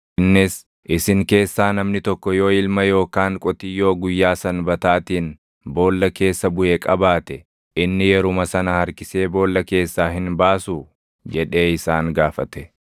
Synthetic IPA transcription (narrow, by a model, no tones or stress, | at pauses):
nːɪs | ʔɪsɪŋke̞ːsːaːnɐmnɪt̪ɔkːɔjo̞ːɪlmɐjo̞ːkaːŋkʼɔt̪ɪjːo̞ːɡʊjːaːsɐnbɐt̪aːt̪iːn | bo̞ːlːɐke̞ːsːɐbʊeːkʼɐbaːt̪ɛ | ʔɪnːɪjɛɾʊmɐsɐnɐhɐɾkɪse̞ːbo̞ːlːɐke̞ːsːaːɦɪnbaːsu | d͡ʒɛᶑe̞ːɪsaːŋɡaːfɐt̪ɛ